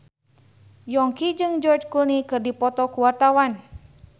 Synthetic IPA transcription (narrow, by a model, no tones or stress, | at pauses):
jɔŋkid͡ʒɨŋd͡ʒɔrd͡ʒkulnikɨrdipɔt̪ɔkuwart̪awan